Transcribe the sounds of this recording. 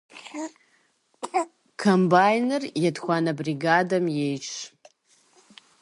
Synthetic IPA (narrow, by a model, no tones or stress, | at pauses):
kʰombajnerjadxʷanabriɡadamjejʈ͡ʂʰ